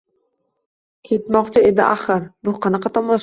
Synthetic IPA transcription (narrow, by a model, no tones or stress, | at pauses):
kʲʰet̪mɒqt͡ʃʰɪed̪ɪʔaχɨɾbʊqʰɑnɑqɑt̪ʰɒmɒʃ